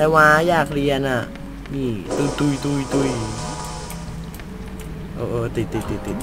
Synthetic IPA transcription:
ɛwajakliana | it̪ut̪uit̪uit̪ui | ʔoʔot̪it̪it̪it̪i

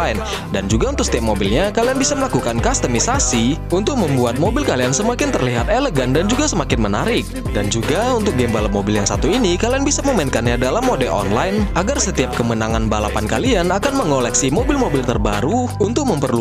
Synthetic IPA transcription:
ɪn | dand͡ʒuɡaunt̪ʊk̚sət̪iap̚mobilɲakalianbisaməlakukankast̪əmisasiunt̪ʊk̚məmbuat̪̚mobɪlkaliansəmakɪnt̪ərliɦat̪eləɡandand͡ʒuɡasəmakɪnmənaɾɪk̚ | dand͡ʒuɡaunt̪ʊk̚ɡɛmbalamobɪljaŋsat̪uinikalianbisaməmainkanɲadalamodɛlɔ̰nlajnaɡarsət̪iap̚kəmənaŋanbalapankalianakanməŋolɛksimobɪlmobɪlt̪ərbaɾuunt̪ʊk̚məmpərlu

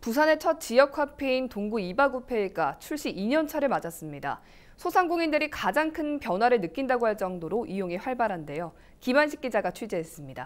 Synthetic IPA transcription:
pusʰane̞t͡ɕʰʌt̚t͡ɕ͈ijʌk̚ʰwapʰeintoŋɡuibaɡupʰe̞iɡat͡ɕʰuɭɕ͈iiɲʌnt͡ɕʰaɾɯɭmad͡ʑas͈ɯmɲida̰ | sʰosʰaŋɡoŋindɯɾikad͡ʑaŋkʰɯnpjʌnwaɾɯɭnɯk͈indaɡoɦhaɭt͡ɕ͈ʌŋdoɾoʔijoŋiɸwaɭbaɾɦande̞jo | kibanɕʰi̥k͈id͡ʑaɡat͡ɕʰɥid͡ʑeɦes͈ɯmɲida̰

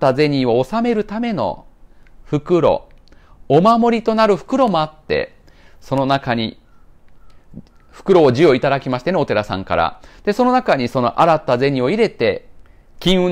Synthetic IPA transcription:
aze̞ɲ̟io̞ːsame̞ɾɯ̟t̪ame̞no̞̰ | ɸɯ̟kɯ̟ɾo̞̰ | omamo̞ɾʲit̪o̞naɾɯ̟ɸɯ̟̥kɯ̟ɾo̞mo̞at̪ːe̞̰ | so̞no̞nakaɲ̟ḭ | ɸɯ̟̥kɯ̟ɾo̞ːʑio̞it̪ad̪akʲimaɕi̥t̪eneot̪e̞ɾasã̰ŋka̰ɾa̰d̪̥e̞so̞no̞nakaɲ̟iso̞no̞̰ʔaɾat̪ːaze̞ɲ̟ĩo̞iɾe̞t̪e̞ | kʲĩɰ̃ɯ̟

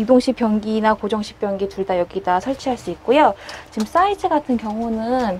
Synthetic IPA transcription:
judoŋɕʰip͈jʌŋɡinakod͡ʑʌŋɕʰi̥p͈jʌŋɡituɭdajʌɡidasʰʌɭt͡ɕʰiɦaɭs͈uik̚k͈ojot͡ɕims͈aisʰɯɡatʰɯnkjʌŋunɯn

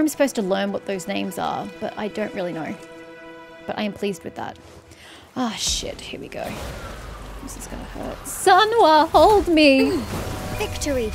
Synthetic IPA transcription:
ãɪ̃msə̥pʰoʊz̥tʰəlɜ̃˞nwʌt̪̚ðoʊznẽɪ̃mzə̰˞b̥ʌ̰ɾa̰ɪdõʊ̃nʔ̚ɹʔɪlˠinoʊ | b̥ʌɾʔa̰ɪɨ̃mpʰl̥izd̚wɨðæ̰t̚ | oʃɪ̰t̚hiɹwḭɡ̥o̰ʊ | mɪsɨz̥kɑ̰hə̰˞tsʌ̃nwəhoʊlˠdmi | vɪkt͡ʃə˞i

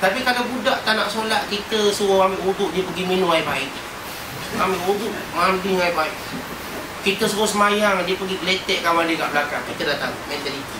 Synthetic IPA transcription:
t̪apikalawbudaʔt̪anaʔsolaʔkit̪əsuwɔambɪʔuɡʊʔdiəpəɡiminũŋaiʔbaɪʔ̪̚ | ambɪʔuɡʊʔ | mambiŋaiʔbaɪʔ̪̚ | kit̪əsəbɔsəmajaŋdiəpəɡibəlet̪ɛʔkawandika̰ʔbəlakaŋkit̪ədat̪aŋmɛnt̪əlit̪i

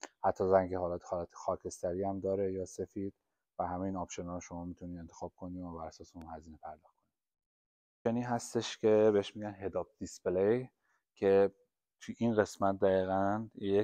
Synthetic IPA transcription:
hæt̪ʰːɒːzæŋɟeɦɒːlæːt̪ʰe̥hɒːlæt̪ʰe̥xɒːcʰe̞st̪æɾiːæmd̪ɒːɾejɒːsefiːd̪̥̚ | væɦæme̞jiːnɒːpʃo̞nɒːɾoʃo̞mɒːmit̪ʰuniːe̞nt̪ʰexɒːb̥̚kʰo̞niːæbæɾæsɒːseunhæziːne̞pʰæɾd̪ɒːxkʰo̞niː | ʃeniːɦæst̪e̞ʃcʰe̞beeʃmiɟænɦe̞d̪ɒːb̚d̪̥isplej | cʰe̞ | t̪ʰujʔinɣe̞smæt̪̚d̪æɣiːɣænje

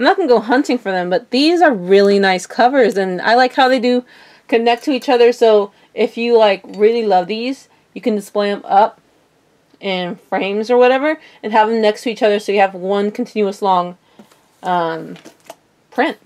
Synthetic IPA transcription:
aɪmnət̚ɡ̥ənɡoʊɦʌ̃ntɪ̃ŋfə˞ðɨ̃mbʌt̪̚ðizə˞ɹɪlˠinaɪskʰʌvə˞zɨ̃na̰ɪlaɪkhaʊðeɪdɨ | kʰɨnɛk̚tʰɨit͡ʃʌðə˞soʊ | ʔɪfjɨlaɪkɹɪlˠilʌvðiz̥ | jɨkɨ̃ndɨspleɪɨ̃mʌp̚ | ʔɪ̃nfɹẽɪ̃mzə˞wʌɾɛvə˞ | ɨ̃nɦævɪ̃mnɛkstʰɨit͡ʃʌðə˞soʊjɨɨvwʌ̃nkʰn̩tʰɪ̃njʉəslɔ̃ŋ | ʔʌ̃m | pʰɹ̥ɪ̃nt̚

